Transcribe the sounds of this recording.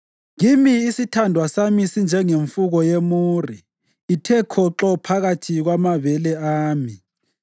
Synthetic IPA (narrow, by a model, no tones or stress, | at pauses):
ŋimiːsitʰandʱwasamisind͡ʒʱɛŋeɱfuɣɔjemuːriː | tʰɛkʰɔǁɔpʰaɣatʰiɣwamaβɛlɛaːmi